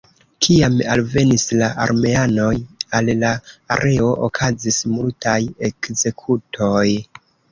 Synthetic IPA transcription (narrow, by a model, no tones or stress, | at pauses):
kʰiama̰lve̞nislaʔa̰ɾme̞ano̞jallaːɾʔe̞o̞ʔo̰kʰazismultʰaje̞kze̞kʰutʰo̞j